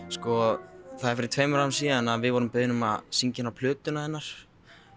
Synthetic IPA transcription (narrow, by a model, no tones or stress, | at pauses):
skɔθaðɛɾfɪɾɪɾt̪ʰveːjmʏɾamsiːɛnːavɪðvɔɾʏmpɪðɪnʏma̰ðsiɲcɪnawpʰlʏːt̪ʏnaɛnːaɾ̥